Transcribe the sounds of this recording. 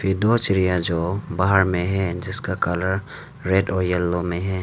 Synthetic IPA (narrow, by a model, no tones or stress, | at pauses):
fɪd̪oːt͡ʃɪɾɪjad͡ʒoːbaɦəɾmẽɦɛ̃d͡ʒɪskakaləɾ | ɾeːɖɔːɾjɐlːõmẽɦɛː